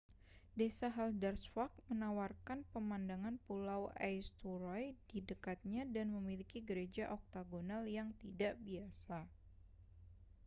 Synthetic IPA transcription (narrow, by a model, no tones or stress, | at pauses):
desaɦaldarsfak̚mənawarkanpəmandaŋanpulawajst̪uɾɔjdidəkat̪̚ɲadanməmilikiɡəɾed͡ʒaʔɔk̚t̪aɡonaljaŋt̪idaʔbiasa